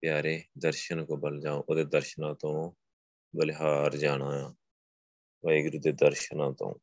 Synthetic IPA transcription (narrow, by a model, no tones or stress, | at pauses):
pjaːɾeːd̪əɾʃənkoːbəld͡ʒaːõːʔoːd̪eːd̪əɾʃnãːt̪õː | bəlɪɦaːɾd͡ʒaːɽãːãː | ʋaiɡɾud̪eːd̪əɾʃənãːt̪õ̰ː